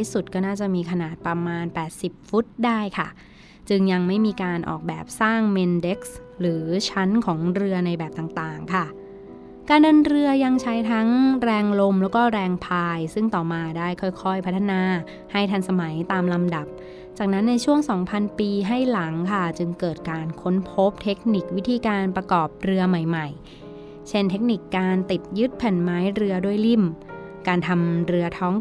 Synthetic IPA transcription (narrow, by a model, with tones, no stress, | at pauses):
i˥˩su˨˩t̪̚kɔː˥˩naː˥˩t͡ɕa˨˩miː˧kʰa˧naː˨˩t̪̚pɾa˧maː˧npɛː˨˩t̪̚si˨˩p̚fu˦˥t̪̚daː˥˩jkʰa̰˥˩ | t͡ɕɯ˧ŋja˧ŋma˥˩jmiː˧kaː˧nʔɔ̰ː˨˩k̚bɛ̰ː˨˩p̚saː˥˩ŋme˧nde˦˥k̚s | ɾɯː˩˦t͡ɕʰa˦˥nkʰɔː˩˦ŋɾɯ˧ɐna˧jbɛː˨˩p̚t̪aː˨˩ŋt̪aː˨˩ŋkʰa˥˩ | kaː˧ndɤ˧nɾɯ˧ɐja˧ŋt͡ɕʰa˦˥jt̪ʰa˦˥ŋɾɛː˧ŋlo˧mlɛː˦˥wkɔː˥˩ɾɛː˧ŋpʰaː˧jsɯ˥˩ŋt̪ɔː˨˩maː˧daː˥˩jkʰɔː˥˩jkʰɔ˥˩jpʰa˦˥t̪ʰːa˧naː˧ | ha˥˩jt̪ʰa˧nsa˧ma˩˦jt̪aː˧mla˧mda˨˩p̚ | t͡ɕaː˨˩k̚na˦˥nːa˧jt͡ɕʰu˥˩əŋsɔː˩˦ŋpʰa˧npiː˧ɦa˥˩jla˩˦ŋkʰa˥˩t͡ɕɯ˧ŋkɤː˨˩t̪̚kaː˧nkʰo˦˥npʰo˦˥p̚t̪ʰe˦˥k̚ni˨˩k̚wi˦˥t̪ʰiː˧kaː˧npɾa˧kɔː˨˩p̚ɾɯ˧ɐma˨˩jma˨˩j | t͡ɕʰe˥˩nt̪ʰe˦˥k̚ni˨˩kːaː˧nt̪i˨˩t̪̚jɯ˦˥t̪̚pʰɛ˨˩nmaː˦˥jɾɯ˧ɐdu˥˩əjli˥˩m | kaː˧nt̪ʰa˧mɾɯ˧ɐt̪ʰɔː˦˥ŋ